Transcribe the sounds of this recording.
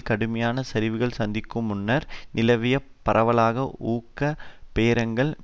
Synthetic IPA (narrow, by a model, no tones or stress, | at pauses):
kɐɽɯmɐjaːnɐsɐɾɪʋɯɣɐɭsɐnd̪ɪkːɯmʊnːɐɾnɪlɐʋɪjɐ | pːɐɾɐʋɐlaːɣɐuːkːɐpeːɾɐŋɡɐɭ